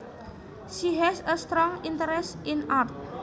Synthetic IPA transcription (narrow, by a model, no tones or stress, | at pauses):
ʃiɦɛsəst̪ɾɔŋint̪əɾɛsinart̪̚